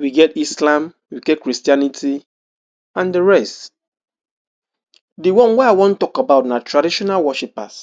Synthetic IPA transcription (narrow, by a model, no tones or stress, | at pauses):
wiɡɛtislãm | wikɛkːɾistianitʰi | ãndɪɹɛst | diwɔ̃nweaɪwɔ̃n̩tɔkabaʊtnatɾadiʃɔnalwɔʃipa̰s